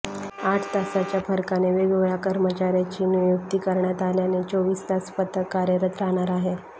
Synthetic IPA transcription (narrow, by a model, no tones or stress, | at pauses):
aʈʰt̪asat͡ɕjafəɾkaneʋeɡʋɭakəɾmət͡ɕaɾjat͡ɕiːnjjuk̚t̪iːkəɾɳjat̪aljanet͡ɕoʋiːst̪aspət̪əkːaɾjəɾət̪ɾaɽ̃aɾaɦe